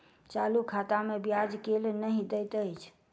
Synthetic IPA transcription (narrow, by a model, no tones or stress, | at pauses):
t͡ʃalukʰat̪amebjad͡ʒkelnəɦid̪ɛt̪əjt͡ʃʰ